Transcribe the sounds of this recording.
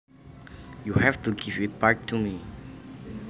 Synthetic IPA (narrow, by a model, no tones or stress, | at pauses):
juhɛftuɡivit̚paɹk̚tʰumi